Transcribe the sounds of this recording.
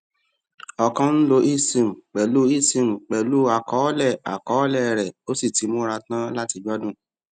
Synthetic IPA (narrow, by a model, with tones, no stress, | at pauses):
ɔ˧kɔ̃˦n̩˦lo˧ʔi˦sĩ˧˨m̩˨k͡pɛ˨lu˦i˦˨sĩ˨m̩˨k͡pɛ˨lu˦a˨kɔ˨˦lɛ˦˨a˨kɔ˨˦lɛ˦˨ɾɛ˨o˦si˦˨ti˨˦mũ˦ɾa˧tã˦la˦ti˧d͡ʒɔ˦dũ˦˨